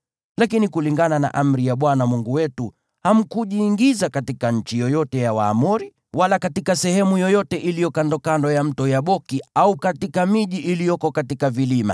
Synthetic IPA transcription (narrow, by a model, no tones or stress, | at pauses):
lakinikuliŋɡanana̰ʔam̩ɾijaɓwanamuŋɡuwɛtu | ham̩kuʄiːŋɡizakatikaɲ̩t͡ʃijɔjɔtɛjawa̰ːmuɾi | walakatikasɛhɛmujɔjɔtɛʔilijɔkandɔkandɔjam̩tɔjaɓɔkiaukatikamiʄiʔilijɔkɔkatikavilima̰